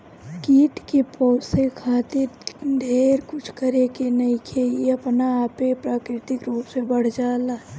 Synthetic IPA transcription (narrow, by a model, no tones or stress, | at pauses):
kiːʈkepɔːsekʰaːt̪ɪɾɖ̪ʱeːɾkʊt͡ʃʰkəɾekenɐikʰeeɐpnaaːpepɾaːkɾɪt̪ɪkɾuːpsebəɽ̤d͡ʒaːlaː